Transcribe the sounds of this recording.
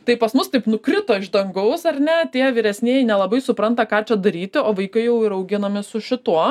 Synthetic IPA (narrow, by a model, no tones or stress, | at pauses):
t̪ɐɪpɐsmʊst̪ɐɪpnʊkɾʲɪt̪oːɪʒd̪ɐŋɡɐʊsɐrʲnʲɛt̪ʲiɛʋʲiɾʲɛsʲnʲiɛjɛɪnʲɛlˠɐbɐɪsʊpɾɐnt̪ɐkɑːt͡ʃʲɛd̪ɐɾʲiːt̪ʲɪoːʋɐɪkɐɪjɛʊɪɾɐʊɡʲɪnɐmʲɪsʊʃʲɪt̪uɔ